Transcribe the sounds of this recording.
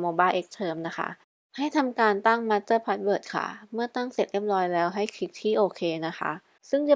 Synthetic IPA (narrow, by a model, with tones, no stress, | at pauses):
moː˧baː˥˩jʔe˦˥k̚t̪ʰɤː˧mna˦˥kʰa̰˦˥ʔ | ha˥˩jt̪ʰa˧mkaː˧nt̪a˥˩ŋma˦˥tt̪ɤː˥˩pʰa˦˥t̪̚bɤː˨˩t̪̚kʰa̰˧˥˩mɯ˥˩ɐt̪a˥˩ŋse˨˩t̪̚ʔe˦˥˩p̚lɔː˧jlɛː˦˥wɦa˥˩jkʰi˦˥k̚t̪ʰiː˥˩ʔoː˧kʰeː˧na˦˥kʰa̰˦˥ | sɯ˥˩ŋt͡ɕa˧˩